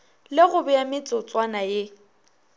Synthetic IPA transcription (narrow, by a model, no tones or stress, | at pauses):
lɪɣʊbɛjamɪt͡sʼʊt͡sʼwanaje